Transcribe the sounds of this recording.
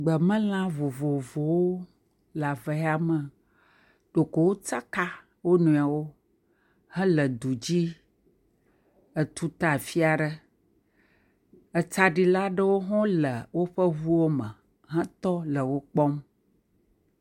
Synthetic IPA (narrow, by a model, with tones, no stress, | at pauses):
ɡ͡bə˨mə̃˦l̃ã˦vo˨vo˨vo˨wo˦ | la˨və˨˦a˦mə̃˨ | ɖ̥o˨ko˨wo˦t͡sa˦ka˦ | wo˦nũ˨a˨wo˦ | hɛ̃˦lə˨d̪u˨d͡ʑi˦ | ə˨t̪u˦t̪a˨fi˦a˨ɖə˦ | ə˨t͡sa˦ɖi˦la˦ɖə˦wo˦ɦɔ̃˦lə˨wo˦ɸə˦vu˦wo˦mə̃˨ | ɦɛ̃˦t̪ɔ˦lə˨wo˦k͡pɔ˦m